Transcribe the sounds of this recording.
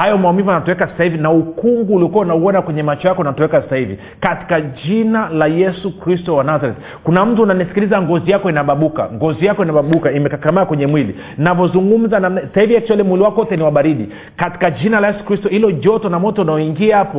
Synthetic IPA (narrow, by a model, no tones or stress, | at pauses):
hajɔmaɔmivuanatɔwɛkasḁsahivinaukuŋɡuːliɔkuaunauɔnakwɛɲɛmat͡ʃɔjakɔnatɔwɛkasḁsahivḭ | kati̥kaʄinalajɛsukɾistɔwanazaɾɛti̥ | kunam̩tuananisi̥kilizaŋɡɔzijakɔinaɓaɓuka̰ŋɡɔzijakɔinaɓaɓukaimɛkakamaːkwɛɲɛmwili | navɔzuŋɡum̩zanamnasasahivijaki̥ʃaɛlɛmwiliwakɔɔtɛniwaɓaɾiɗi | kati̥kaʄinalajɛsu̥kɾistɔhilɔʄɔtɔnamɔtɔnajɔiŋɡiahapɔ